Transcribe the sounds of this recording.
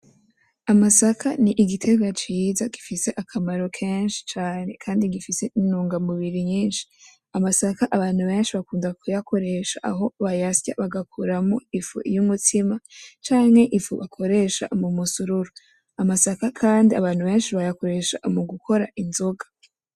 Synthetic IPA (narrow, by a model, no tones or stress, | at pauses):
amasakʰaniʔiɡitʰe̞ɡat͡ʃiːzaɡifise̞ʔakʰamaɾo̞kʰeːnʃi̥t͡ʃaːne̞kʰaːndiɡifise̞inuːŋɡamuβiɾiɲiːnʃi̥ | amasakaʔaβaːn̥huβe̞ːnʃiβakuːndakujakʰo̞ɾe̞ʃaʔaɦo̞βajasja̰βaɡakʰuɾamoifṵjumutʰimat͡ʃaːŋ̥he̞ʔifṵβakʰo̞ɾe̞ʃa̰mumusuɾuɾo | amasakakʰaːndia̰βaːnhuβe̞ːnʃiβajako̞ɾe̞ʃaʔmuɡukʰo̞ɾaʔinzoɡḁ